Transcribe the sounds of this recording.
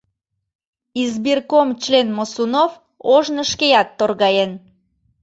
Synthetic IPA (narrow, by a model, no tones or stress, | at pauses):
izbirkomt͡ɕlenmosunof | oʒnəʃkejɑt̪ːorɣɑjen